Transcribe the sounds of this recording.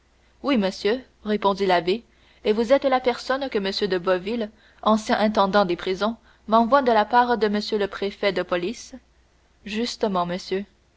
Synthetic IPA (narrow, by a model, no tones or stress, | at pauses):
wiməsjø | ʁepɔ̃d̪ilabe | evuzɛt̪lapɛʁsɔnkəməsjød̪əbɔvil | ɑ̃sjɛ̃ʔɛ̃t̪ɑ̃d̪ɑ̃d̪epχizɔ̃ | mɑ̃vwad̪əlapaːʁd̪əməsjøləpχefɛd̪əpɔlis | ʒyst̪əmɑ̃məsjø